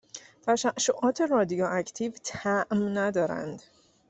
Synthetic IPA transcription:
t̪ʰæʃæʃːoʔɒːt̪ʰe̞ɾɒːd̪ijɒːʔæcʰt̪ʰiːvt̪ʰæʔmnæd̪ɒːɾæ̰nd̪

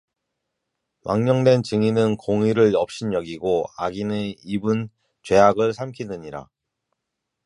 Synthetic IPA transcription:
mʔaŋɲʌŋdwe̞nt͡ɕɯŋinɯnkoŋiɾɯɭʌp̚ɕ͈ʰinjʌɡiɡoaɡineibun | t͡ɕwe̞ɦaɡɯɭsʰamkʰinɯɲiɾa̰

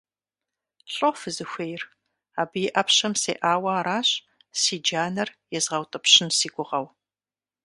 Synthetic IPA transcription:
ɬʼofɨzɨxʷejr | aːbɨjɪʔɐpɕɐmsḛːʔaːwɐaːɾaːɕʼ | siːd͡ʒaːnɐrjɛzʁɐwtʼɨpɕɪnsiːɡʷʊʁɐw

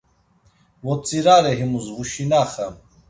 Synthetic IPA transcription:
wot͡siɾaːɾeɦimuzvuɕinaːχɐm

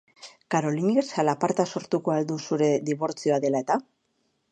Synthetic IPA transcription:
kaɾo̞liniesalapaɾt̪aso̞ɾt̪uko̞ald̪usuɾe̞ðiβ̞o̞ɾt͡sio̞aðe̞lae̞t̪a

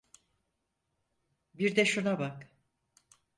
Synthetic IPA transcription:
biɾd̪ɛʃunabak

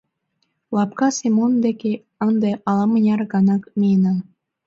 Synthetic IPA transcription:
lˠɑpkɑsimond̪ekʲe | ə̆nd̪eʔɑlˠɑmə̆nʲɑrɡɑnɑkmʲenɑ

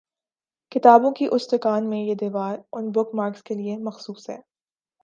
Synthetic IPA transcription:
kɪt̪aːbõkiʔʊst̪ɪkaːnmẽjed̪iːʋaːɾʊnbʊkmaːɾkskeliemɐxsuːsɦɛ̰ː

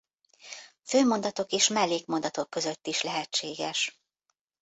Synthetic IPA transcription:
føːmo̞nd̪ɒt̪o̞keːʃmɛlːeːkmo̞nd̪ɒt̪okːø̞zø̞t̪ːiʃlɛɦɛt͡ʃːeːɡɛʃ

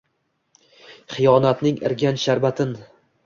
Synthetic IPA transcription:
χɨjɒnat̪nɪŋɪ̰ɾɡʲanʃaɾbat̪ʰɪn

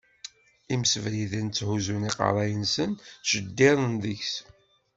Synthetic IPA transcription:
imsəvɾiðænt͡sːhuzuniqɑ̰ɾˤɑjənsənʃəd̪ːɪðˤənðəçs

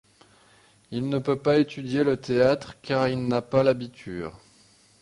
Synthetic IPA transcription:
ilnəpøpaet̪yd̪jelət̪eat̪χkaʁilnapalabit̪ʰy̰ːʁ

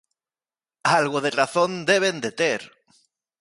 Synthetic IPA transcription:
alɣoðeraθo̞nd̪eβ̞end̪et̪eɾ

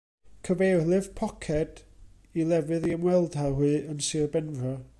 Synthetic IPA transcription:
kʰəvejrlˠɨv̥pʰɔkʰɛd̥ | ilˠɛvɨðiəmwɛlˠd̥hahuːənsirbɛnvɔ

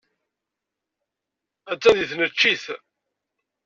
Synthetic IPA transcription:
æt͡sːæðiθnət͡ʃːiθ

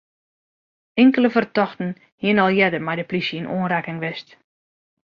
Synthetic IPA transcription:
ɪŋkələvərtɔxtn̩ | hiənɔlˠjɛdərmɛjdəplisjəənʔo̰ənrɛkɪŋʋɪst

